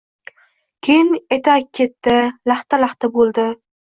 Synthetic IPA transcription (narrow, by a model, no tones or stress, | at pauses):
kʲʰejɪnet̪ʰak̚ʲʰːet̪ːɪlaχt̪alaχt̪abolˠd̪ɪ